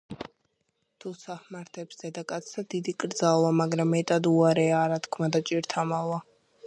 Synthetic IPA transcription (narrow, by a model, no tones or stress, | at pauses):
t̪ʰusahmaɾt̪ʰɛpsd̪ɛd̪akʼat̪sʰad̪id̪ikʼɾd̪zalˠamaɡɾamːɛt̪ʼad̪uaɾɛaːɾat̪ʰkʰmad̪at͡ʃʼiɾt̪ʰamalˠa